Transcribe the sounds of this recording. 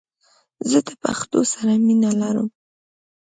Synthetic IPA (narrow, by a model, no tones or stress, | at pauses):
zəd̪əpa̰xt̪osaɾaminalaɾə̰m